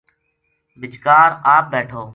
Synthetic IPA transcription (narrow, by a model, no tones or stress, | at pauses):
bɪt͡ʃkaːɾaːp̚beːʈʰoː